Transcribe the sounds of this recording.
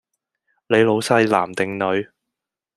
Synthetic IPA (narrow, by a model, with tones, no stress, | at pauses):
le˨˧jlo˨˧wsɐ˧˥jla̰ː˨˩mt̪ɪ˨ŋnɵ˨˧ɥ